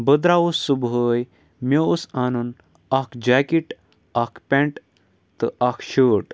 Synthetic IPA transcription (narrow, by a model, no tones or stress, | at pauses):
bəd̪ɾausːubɦəj | meusanun | akd͡ʑakiʈ | akpʲẽɳʈ | t̪əakʰɕəʈ